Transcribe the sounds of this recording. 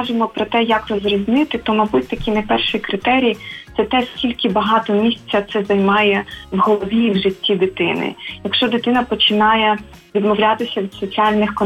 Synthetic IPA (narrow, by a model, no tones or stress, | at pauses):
ʒɪmɔpɾɔt̪ɛjɐkrɔzrɔzʲnɪt̪ɪt̪ɔmɐbut̚ʲt̪ɐkʲinɛpɛrʃijkɾɪt̪ɛɾʲijt̪sɛt̪ɛskʲilʲkɪbɐɦɑt̪ɔmʲisʲt͡sʲːɐt̪sɛzɐjmɑjɛwɦɔlˠɔʋʲiʋʒɪtʲːid̪ɪt̪ɪnɪ̰jɐkʃt͡ʃɔd̪ɪt̪ɪnɐpɔt͡ʃɪnɑjɛ | ʋʲid̪mɔwlʲat̪ɪsʲɐʋʲid̪sɔt͡sʲiɑlʲnɪxkɔn